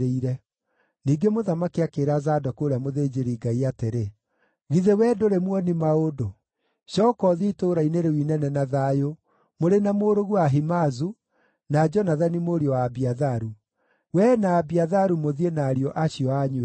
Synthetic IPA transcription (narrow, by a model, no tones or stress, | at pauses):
eiɾɛ | niːɡemoðamakiakeɾazaːdɔkoːɾeamoðeːd͡ʑeɾiɡaiateɾe | ɣiðewɛdoɾemwɔnimaodo | ɕɔkɔðitoːɾaineɾewinɛnɛnaðaːjo | moɾenamoːɾoɣuaɦimazu | nad͡ʑɔnaðanimoɾiɔwaːbiaðaɾu | wɛnaːbiaðaɾumoðienaːɾiɔʔaɕiɔaɲuɛ